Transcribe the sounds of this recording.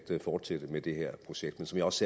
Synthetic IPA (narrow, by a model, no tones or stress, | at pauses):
d̥əfɒːd̥sed̥əmed̥e̝heɐ̰pʰʁo̝ɕeɡ̥d̥mensɒ̽mjɑ̈ɒ̽se